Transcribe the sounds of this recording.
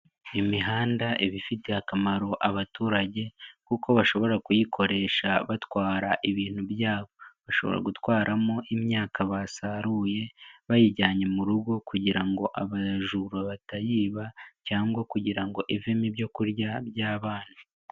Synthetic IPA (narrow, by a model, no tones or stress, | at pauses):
jimiɦaːndaʔeβifite̞akamaɾo̞ʔaβatuːɾaɟe̞kuko̞βaʃo̞βo̞ɾakujikʰo̞ɾe̞ːʃaβatwaːɾaʔiβiːn̥hubjaːβo̞βaʃo̞βo̞̰ɾa̰ɡutwaːɾamoʔimɲaːkaβasaɾuːje̞βajiɟaːɲe̞muɾuɡo̞kuɟiɾaŋɡo̞ʔaβaʒuɾaβatajiːβacaːŋɡwakuɟiɾaŋɡo̞ʔivemibɟo̞kuɾɟaβjaːβaːn̥a